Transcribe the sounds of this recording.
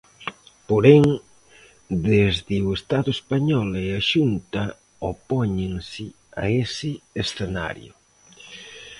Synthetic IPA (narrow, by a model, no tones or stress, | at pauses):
poɾeŋ | d̪ezðɪwest̪aðʊespaɲɔleaʃunt̪ɐ | opɔɲɪŋsɪ | a̰esɪesθena̰ɾjʊ̰